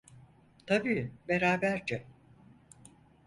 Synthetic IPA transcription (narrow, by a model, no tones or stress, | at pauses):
t̪ʰabiːbe̞ɾaːbæɾd͡ʒɛ